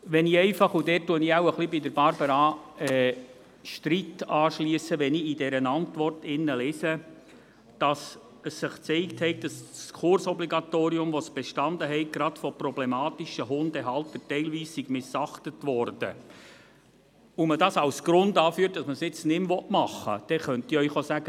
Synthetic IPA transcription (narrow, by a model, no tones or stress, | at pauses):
ʋɛniɛɪfɑχudɛt̚ːuəniawəχlibidəɾbɑɾbəɾɑɛː | ʃtɾitɑːʃliəsəʋɛniidɛɾənɑntʋɔrtɪnːəlɛːsə | d̥ɑs | əsːɪχt͡sɛɪkthɛɪk̚d̥ɑsskʰʊɾsɔbliɡɑtoːɾiʊmʋɔsb̥eʃtɑndəɦɛɪk̚ɡ̥ɾɑtfɔprɔblɛmɑːtiʃəɦʊndɛɦɑlt̪ətɛɪlʋiːssiɡ̥mɪsɑχtətʋɔrd̥ə̰ | ʊmədɑːsɑwsɡ̥ɾʊndɑːfyːt̚d̥ɑsməsɪt͡snɪmʋɔtmɑχːə̰d̥ɛχœntiœʏχosæɡə